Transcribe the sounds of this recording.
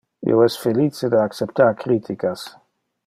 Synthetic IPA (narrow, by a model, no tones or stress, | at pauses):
ḭoɛsfelit͡ʃed̪aakt͡ʃep̚t̪aɾkɾiːt̪ʰikas